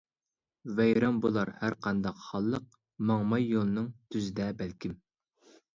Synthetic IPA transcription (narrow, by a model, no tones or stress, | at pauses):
vɛjɾɑmbolˠɑɾhæɾqʰɑnd̪ɑqχɑlˠːəq̚ | mɑŋmɑjːolˠɨnɨŋt̪ʰyzɪd̪ɛbælkʲim